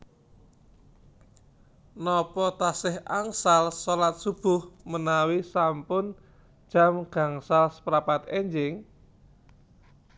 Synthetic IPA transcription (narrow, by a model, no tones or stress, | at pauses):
nɔpɔt̪asɪha̰ŋsalsolat̪̚sub̥ʊhmənawisampʊn̥ | d͡ʒ̥a̤mɡ̥a̤ŋsalspɾapat̪ɛɲd͡ʒɪŋ